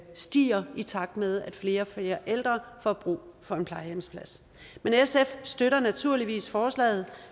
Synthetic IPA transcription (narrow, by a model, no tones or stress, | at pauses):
sd̥ḭːɐit͡sʰɑ̈ɡ̥̚d̥með̞ˠæd̥fle̝ːɐfe̝ːɐʔel̰d̥ʁɐfɒb̥ʁṵːfɒ̽e̝npʰlɑ̈ɪjemspʰlæs | menesefsd̥øɾɐnæt͡sʰuɐ̰liʋḭːsfɒːslɛ̰ːð̞̩ˠ